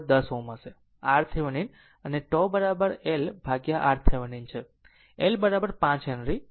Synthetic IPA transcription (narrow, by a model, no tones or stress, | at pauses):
d̪əsoməse | aɾt̪ʰeʋənin | əneʈobəɾabəɾelbʱaɡjaʔaɾt̪ʰeʋənint͡ʃʰe | elbəɾabəɾpãt͡ʃənɾi